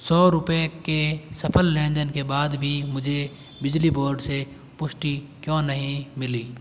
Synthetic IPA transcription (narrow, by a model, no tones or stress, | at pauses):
sɔːɾʊpekesɐpʰəlːẽːd̪ənkebaːd̪bʱimʊd͡ʒʱe | bɪd͡ʒliboːɾɖse | pʊʃʈikjɔ̃ːnəɦĩmɪliː